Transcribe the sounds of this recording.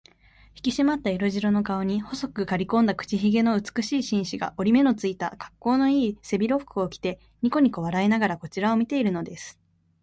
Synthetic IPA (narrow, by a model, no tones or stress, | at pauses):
çi̥kʲiɕimat̪ːaeɾo̞ʑiɾo̞no̞kao̞ɲ̟iho̞so̞kɯ̟kaɾʲikõ̞nd̪akɯ̟̥t͡ɕiçiɡe̞no̞ɯ̟t͡sɨ̥kɯ̟ɕiːɕĩɰ̃ɕiɡa̰ʔo̞ɾʲime̞no̞t͡sɨit̪a̰kḁkːo̞ːno̞iːse̞bʲiɾo̞ɸɯ̥kɯ̟o̞kʲi̥t̪e̞ | ɲ̟iko̞ɲ̟iko̞βaɾainaɡaɾako̞t͡ɕiɾao̞mʲit̪e̞iɾɯ̟no̞d̪e̞sɨ̥